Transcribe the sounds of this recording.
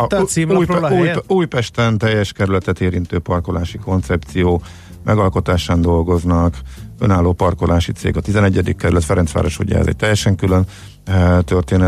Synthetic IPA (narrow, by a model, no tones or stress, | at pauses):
simuːjuːjuːjpɛʃt̪ɛnt̪ɛjːɛʃkɛɾylɛt̪ɛt̪eːɾint̪øːpɒrko̞laːʃiko̞nt̪sɛp̚t̪sijoː | mʔɛɡɒlko̞t̪aːʃaːnd̪o̞lɡo̞znɒkø̞̰naːlːoːpɒrkolaːʃit̪sḛːɡɒt̪izɛnɛɟːɛd̪ikːɛɾylɛt̪fɛɾɛnsʋa̰ːɾoʃo̰ɟɛ̰ɛ̰zɛ̰c̚t̪ɛjːɛʃɛŋkyløn | t̪ørt̪eːnɛ